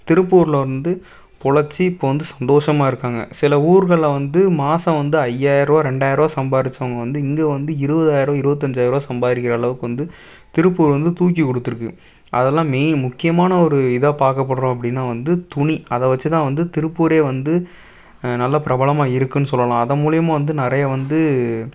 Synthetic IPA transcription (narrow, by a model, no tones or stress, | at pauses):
t̪ɪɾɯpːuːɾlɐɾɯnd̪ɯ | pɔɭɐt͡ʃːiɪpːoːʋɐnd̪ɯsɐnd̪oːʂɐmaːɪɾɯkːaːŋɡɐ̰sɪlɐuːɾɣɐɭːʋɐnd̪ɯmaːsɐ̃ʋɐnd̪ɯɐjːaːjɪɾoːɾɛɳɖaːjɪɾoːsɐmbaːɾɪt͡ʃːɐʋɐŋɡɐʋɐnd̪ɯɪŋɡeːʋɐnd̪ɯɪɾɯʋɐðaːjɪɾõːɪɾɯʋɐt̪̬ːɯɐɲd͡ʒaːjɪɾoːsɐmbaːðɾɪk̬ːɪɾɐːɭɐʋɯkːɯʋɐnd̪ɯ | t̪ɪɾɯpːuːɾʋɐnd̪ɯt̪uːk̬ːikɔɽɯt̪ːɯɾɯkːɯ | ʔɐ̰ðɛlːãːmemʊkːɪjɐmaːnɐɔɾɯɪðɐpaːɾkɐpːɐɽɐɾõːɐp̬ːɐɽɪnːaːʋɐnd̪ɯt̪ʊɳiɐðɛʋɐt͡ʃːɯt̪ãːʋɐnd̪ɯt̪ɪɾɯpːuːɾeːʋɐnd̪ɯ | nɐlːɐpɪɾɐbɐɭɐmaːɪɾɯkːɯnːɯsɔlːɐlãːɐðɐmuːlɪjɐmãːʋɐnd̪ɯnɪɾɐjɐʋɐnd̪ɯ